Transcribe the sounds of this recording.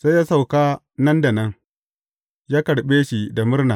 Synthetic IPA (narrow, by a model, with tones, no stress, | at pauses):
sa˦jaː˦sa˨wkaː˦ | nɐ˦nda˨nɐ˦ŋ | jaː˦kɐ˨ɽɓeː˦ʃi˨da˨mʊ˦rna˨